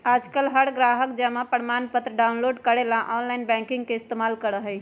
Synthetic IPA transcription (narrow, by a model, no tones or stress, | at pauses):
aːd͡ʒkəlɦəɽɡɾaːɦəkd͡ʒəmãpəɽmaːnpət̪ɾəɖaːʊnloːɖkəɽelãʔɔːnlaːɪnbɛ̃ŋkɪ̃ŋɡkeɪst̪emaːlkəɾəɦəi